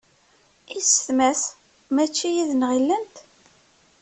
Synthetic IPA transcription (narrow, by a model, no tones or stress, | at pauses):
isθmæs | mæt͡ʃːijiðnʁilːənt̪